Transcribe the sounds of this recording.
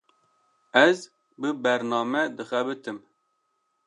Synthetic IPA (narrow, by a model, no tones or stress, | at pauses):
ɛz | bɨbɛɾnɑːmɛd̪ɨxɛbɨt̪ɨm